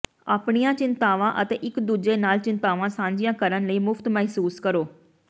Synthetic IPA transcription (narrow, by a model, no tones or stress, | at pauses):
aːpɽ̃ijãt͡ʃɪ̃nt̪aːʋãʔɐt̪eʔɪkd̪ʊd͡ʒenaːlt͡ɕɪ̃nt̪aːʋãsãːɲd͡ʒijãkɐɾənləiːmʊft̪mɛɦsuːskɐɾoː